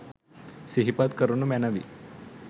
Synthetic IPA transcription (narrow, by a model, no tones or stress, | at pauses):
siɦipat̪kəɾunumɛnaʋḭː